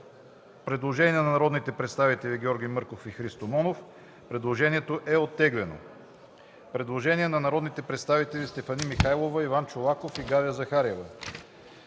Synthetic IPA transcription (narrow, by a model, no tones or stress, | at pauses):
pɾɛd̪lˠoʒɛniɛnɐnɐɾɔd̪nit̪ɛpɾɛt̪st̪avit̪ɛlʲiɡʲɛɔɾɡʲijmɤɾkofixɾist̪omɔnof | pɾɛd̪lˠoʒɛniɛt̪oʔɛot̪ːɛɡlɛno̰ | pɾɛd̪lˠoʒɛniɛnɐnɐɾɔd̪nit̪ɛpɾɛt̪st̪avit̪ɛlʲist̪ɛfɐnimixajlˠovəivant͡ʃolˠakofiɡaviəzɐxaɾɛvə